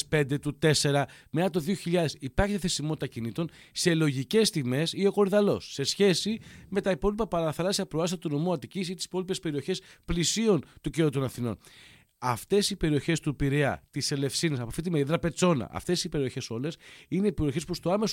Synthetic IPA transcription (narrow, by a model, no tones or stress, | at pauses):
spe̞nd̪e̞t̪ut̪e̞se̞ɾɐmeɐt̪oðio̞çiʎɐðe̞sipɐɾçet̪eθesimot̪it̪ɐcinit̪o̞n | se̞lo̞ʝice̞st̪ime̞sio̞ko̞ɾiðɐlo̞sːe̞sçe̞sime̞t̪ɐipo̞lipɐpɐɐθɐlɐsiɐpɾoɐs̬iɐt̪uno̞muɐt̪icisit̪i̥si̥po̞lipe̞spe̞ɾio̞çe̞splisio̞nt̪uceut̪o̞nɐθino̞̰n | ɐft̪e̞sipe̞ɾio̞çe̞st̪upiɾeɐ̰t̪ise̞le̞fsinesɐpoaft̪it̪imeiðɾɐpe̞t͡so̞nɐ̰ʔɐ̰ft̪e̞sipe̞ɾio̞çe̞so̞le̞sine̞ipeɾioçe̞spust̪oɐme̞s